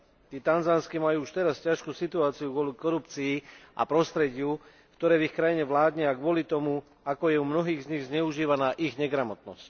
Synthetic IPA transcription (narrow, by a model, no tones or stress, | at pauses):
t̪iːt̪anzanskimajuːuʃt̪ɛɾascaʃkuːsit̪uaːt͡siuɡʊɔlikɔɾupt͡siːʔa̰pɾɔst̪ɾɛɟɪu | kt̪ɔɾɛːvixkɾajiɲɛʋlaːd̪ɲɪaɡʋʊɔlit̪ɔmu | akɔjɛumnɔɦiːɣzɲiɣzɲɛuʒiːʋanaːʔiɣɲɛɡɾamɔt̪nɔsc